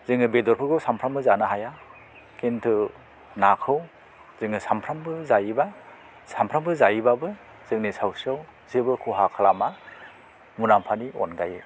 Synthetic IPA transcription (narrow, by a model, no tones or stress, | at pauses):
zɯŋɯbedɔɾpʰɯɡɯwsampʰɾambɯzanɯɦaja | kʰentʰɯ | nakʰɯw | zɯŋɯsampʰɾambɯzajiba | sampʰɾambɯzajibabɯ | z̥ɯŋnisawsɯw | zebɯkʰuɦakʰalama | munampʰaniɔ̰nɡaje